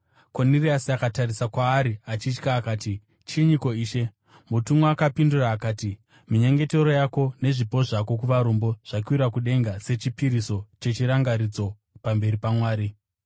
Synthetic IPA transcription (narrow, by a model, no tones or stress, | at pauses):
koniriasiakatarisakwaːɾiat͡ʃit͡ʃkaːkaːti | t͡ʃiɲiko̞iːʃe̞ | mutumwoakapinduraːkaːti | miɲe̞ŋɡe̞te̞ɾo̞jako̞ne̞ʐipo̞ʐako̞k̬uʋaɾumbo̞ʐ̥akwiɾakuɗe̞ŋɡase̞t͡ʃipiɾiso̞t͡ʃe̞t͡ʃiɾaŋɡaɾid͡zo̞ | pambe̞ɾipamwaːɾi